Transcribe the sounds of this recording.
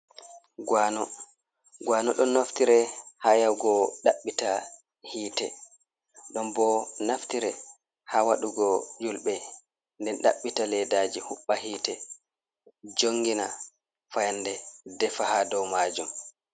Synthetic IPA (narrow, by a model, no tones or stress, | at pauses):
ɡwanɔ | ɡwaːnɔɗɔnːoftiɾɛhajawɡɔɗaɓːita | hiːtɛ̰ | ɗɔmbɔnaftiɾɛ | hawaɗuɡɔd͡ʒulɓɛ | ndɛnɗa̰ɓːitalɛdad͡ʒihuɓːaɦiːtɛ | d͡ʒoŋːɡina | fajandɛdɛfahadɔwmad͡ʒum